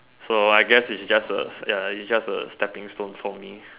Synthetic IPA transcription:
soaɪɡɛsɪtsd͡ʒastə̰jaisd͡ʒasə̰stɛpɪ̃ŋstõnfɔmi

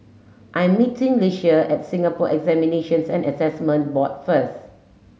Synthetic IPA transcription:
ʔãjɛ̃mːitĩŋleʃəʔɛt̚sĩŋapɔʔɛɡzɛmineʃə̃nsɛ̃nəsɛsmə̃nt̚bɔt̚fəs

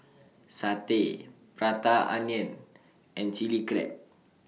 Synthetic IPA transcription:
sat̪e | pɾat̪aʔa̰ɲɛn | ɛnt͡ʃiliɡɾɛ̰t̚

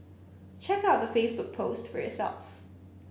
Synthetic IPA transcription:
t͡ʃʰɛkaʊt̚ðəfeɪsbʊk̚pʰoʊstfə˞jɔ̰sɛ̰lˠf

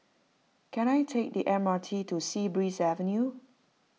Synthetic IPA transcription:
kɛ̃najtʰek̚diʔɛmatʰitusibɹisɛvə̃nju

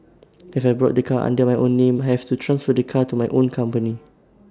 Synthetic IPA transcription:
ifajbɹɔ̰t̚dəkʰaʔã̰ndəmajʔõnːẽmajhɛftutʰɹãnsfət̚dəkʰatumajʔõnkʰãmpəni

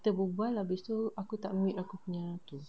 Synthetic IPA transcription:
t̪əbubualahbist̪uakut̪aʔmiʔ̪akupuɲãt̪u

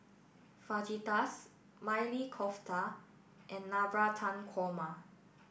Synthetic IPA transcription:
fad͡ʒitas | majlikʰɔftʰa | ʔɛ̃nːabɹatʰãnkʰwɔma

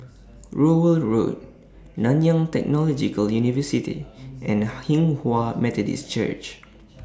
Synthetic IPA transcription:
ɹowəlɹo̰t̚ | nãnjãŋtɛ̰k̚nɔlɔd͡ʒikəljunivəsitḭʔɛ̃nhĩŋhwamɛtɔdḭst͡ʃə̰t͡ʃ

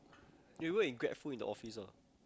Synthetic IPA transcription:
wiwəĩŋɡɹɛ̰tfulĩndə̰ʔɔfisə

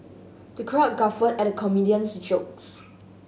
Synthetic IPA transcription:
d̥əkʰɹat̚ɡafədɛt̚əkʰɔmidiə̃nsd͡ʒoks

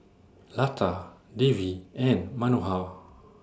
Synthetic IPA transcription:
latʰadeviɛ̃nmanuɦaw

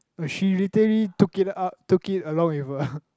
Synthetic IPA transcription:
əʃilitəəlitukɪtatukɪtəlɔ̃ŋɪvə

